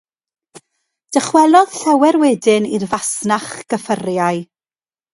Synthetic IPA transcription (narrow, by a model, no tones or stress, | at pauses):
d̥əχwɛlˠɔð̥ɬɛwɛɾwɛdɨnirvasnaχɡ̥əfərjaɨ